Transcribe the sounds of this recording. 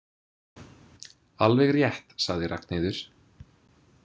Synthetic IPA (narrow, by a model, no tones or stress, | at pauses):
alvɛɣrjɛht̪saɣðɪrʔa̰knejðʏɾ̥